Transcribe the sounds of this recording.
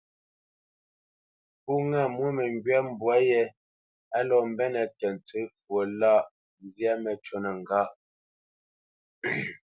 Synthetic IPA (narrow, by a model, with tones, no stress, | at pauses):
pu˦ŋɛ˦˨mwu˦mɛ˨ŋɡɥɛ˦˨m̩˨bwa˨˦jɛ˦ | a˦lɔ˨m̩˦bɛ˦nɛ˨kɛ˨n̩˨tʰə˦fwo˨la˦˨ʔ | n˦zjɛ˦mɛ˨t͡ʃo˦nɛ˨ŋ˨ɡa˦ʔ